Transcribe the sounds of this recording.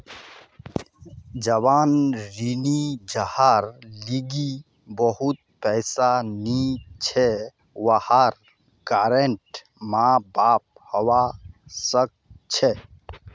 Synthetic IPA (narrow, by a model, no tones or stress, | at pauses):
d͡ʒəʋaːnɾinid͡ʒəhaɾliɡi | bəɦʊt̪̚pɛɪsanit͡ʃʰe | wahaɾ | kaːɾeɳʈ | mãbaːp̚həwasək̚t͡ʃʰe